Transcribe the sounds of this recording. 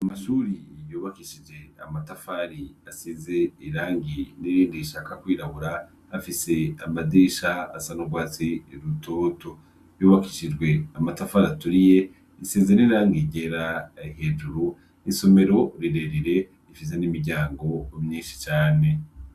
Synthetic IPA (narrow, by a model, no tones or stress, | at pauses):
amaʃuːɾijuːβakiʃid͡ʒe̞amatafaɾiasize̞iɾaːŋɡiniɾiːndiʃakakwiːɾaβuɾaː | fise̞amadiʃaa̰sanoɡwaːt͡siɾutʰo̞ːto̞ | juːβakiʃid͡ʒɡwe̞amatafaɾatuɾije̞ | isize̞niɾaːŋɡiɟeɾaihe̞d͡ʒuɾu | iso̞me̞ɾo̞ɾiɾeɾiɾe̞ | ifis̬e̞nimiɟaːŋɡo̞mɲiːnʃi̥t͡ʃaːne̞